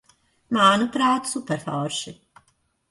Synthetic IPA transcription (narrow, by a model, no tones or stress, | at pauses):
maːnupɾaːt̪supɛɾfɔːɾʃɪ